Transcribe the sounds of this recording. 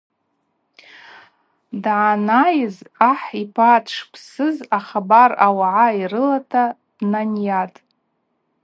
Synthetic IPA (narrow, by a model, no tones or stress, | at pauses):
dʕanajɪzaħipʰatʰʂpʰsɨzaχabarawaʕairɨlatʰa | dnanjatʼ